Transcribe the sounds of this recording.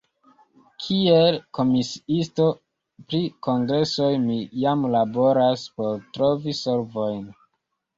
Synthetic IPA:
kʰielko̞misi̥isto̞ | pɾiko̞ŋɡɾe̞so̞jmijamlabo̞ɾaspo̞ɾtɾo̞viso̞ɾvo̞jn

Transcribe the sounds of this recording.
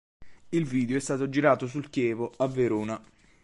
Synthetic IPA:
ilviːd̪eoɛst̪aːt̪od͡ʒiɾaːt̪os̬ulkjɛːvoavːeɾoːna

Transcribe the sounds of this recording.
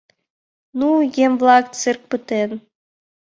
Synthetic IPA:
nujemvlˠɑk̚t͡sɨrk̚pɯt̪en

